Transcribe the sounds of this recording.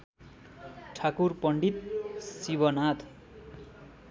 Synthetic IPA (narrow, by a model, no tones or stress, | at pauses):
ʈʰakurpʌɳɖit̪̚sibʌnat̪ʰ